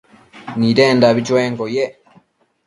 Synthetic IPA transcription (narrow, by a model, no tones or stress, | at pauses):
niɾeːndaβit͡ʃweːŋkoje